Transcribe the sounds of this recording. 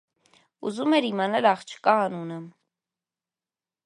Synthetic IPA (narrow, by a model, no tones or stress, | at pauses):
ṵzumɛɾimɑnɛlɑχt͡ʃʰə̥kɑɑnunə